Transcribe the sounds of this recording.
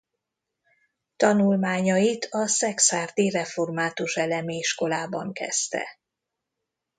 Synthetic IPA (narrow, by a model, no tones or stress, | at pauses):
t̪ɒnulmaːɲɒjit̪ʰɒsɛksaːrt̪irɛfo̞rmaːt̪uʃɛlɛmiʃko̞laːbɒŋkɛ̰st̪ɛ̰